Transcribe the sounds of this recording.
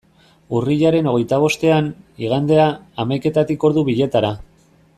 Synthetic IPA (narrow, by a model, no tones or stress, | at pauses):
uriʎaɾe̞no̞ɣ̞e̞jt̪aβ̞o̞st̪e̞aniɣ̞and̪e̞aːmajke̞t̪at̪iko̞ɾðuβiʎe̞t̪aɾa